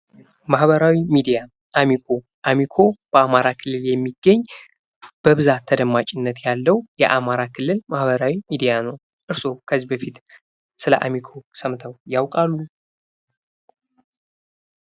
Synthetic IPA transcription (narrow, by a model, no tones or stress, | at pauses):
mahβəɾawimid̪ija | ʔamikʰo̞ | ʔamikʰo̞b̥əamaɾakʰɨlːɨljɛmːiɡːəɲː | b̥əβɨzat̪ʰːəd̪əmːat͡ʃʼɪnːət̪jalːəwjɛʔamaɾakʰɨlːɨlmahβəɾawimid̪ijanəw | ʔɨɾso̞kʰəzːibəfit̪ | sɨləʔamikʰo̞səmt̪ʰəwjawkʼalːu